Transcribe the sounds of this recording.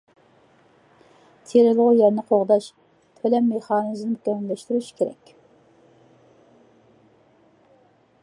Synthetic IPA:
t̪ʰeɾɪlˠʊʁʊjɛɾnɨqʰoʁd̪ɑʃ | t̪ʰølɛmːeχɑːnɨznmykʲɛmlːɛʃt̪yɾyʃkʲʰeɾɛ̰kʲ

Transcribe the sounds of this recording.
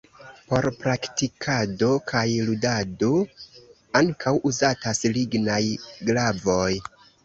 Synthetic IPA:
po̞ɾpɾaktikʰado̞kʰajludado̞ | aŋkʰawuzatasliɡnajɡlavo̞j

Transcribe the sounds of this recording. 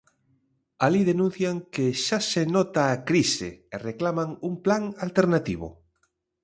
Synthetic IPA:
aliðenũn̟θjaŋkeʃasenɔt̪aːkɾisḛːreklamãŋumplaŋalt̪eɾnat̪iβ̞o̰

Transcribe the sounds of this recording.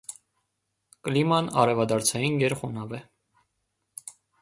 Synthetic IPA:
kəlimɑnɑ̰ɾɛvɑd̪ɑɾt͡sʰɑjinɡɛɾχɔnɑvɛ

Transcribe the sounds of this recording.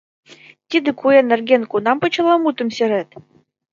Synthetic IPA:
t̪ʲid̪ɘ̆kuenɘ̆rɡʲenkunɑmpɤ̆t͡ɕɤ̆lˠɑmut̪ə̆msʲĕɾet̪

